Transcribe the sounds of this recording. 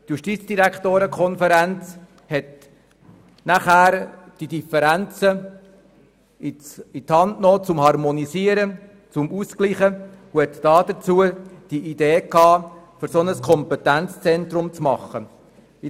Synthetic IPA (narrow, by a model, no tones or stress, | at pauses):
t̪juʃtit͡sd̥iɾækχt̪oːɾəkʰɔnfəɾænt͡s | hɛt̪ | næχæːɾ | d̥idifəɾænt͡sə | iithɑndnoːt͡sʊmhɑrmɔnisiəɾə | t͡sʊmuskliːχə | uhɛt̪d̥ɑːd̥̪ət͡suəd̥iʔid̥eːkːɑː | fʏɾsɔnəskʰɔmpɛt̪ænt͡st͡sɛnt̪ɾʊmt͡smɑχːə | i